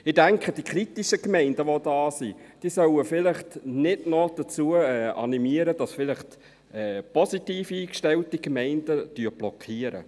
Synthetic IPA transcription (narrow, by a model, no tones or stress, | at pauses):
ɪdæŋkʰχəd̥ikʰɾitiʃəkmɛɪndəʋodɑːsid̥iːsœwəfɪlɪχtnɪdnɔd̥ət͡suːəɛːɑ̰nimiəɾəd̥ɑsfɪləχt | ɛːpɔsitiːfiːkʃtɛltikmɛɪnd̥əd̥yːɾb̥lɔkʰχiːəɾə̰